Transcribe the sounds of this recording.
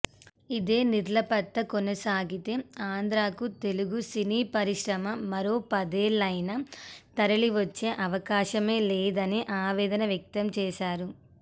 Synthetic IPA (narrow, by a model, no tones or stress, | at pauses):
id̪e̞ːniɾlɐpɐt̪ːɐkɔnɐsaːɡit̪e̞ːaːnd̪ɾaːkut̪e̞luɡusiniːpɐɾiʂɾɐmɐmɐɾo̞ːpɐd̪eːɭːɐjnɐt̪ɐɾɐɭiʋɐt͡ʃːe̞ːʔɐʋɐkaːʃɐme̞ːleːd̪ɐniʔaːʋɛːd̪ɐnɐʋjɐk̚t̪ɐmt͡ʃɛːʃaːɾu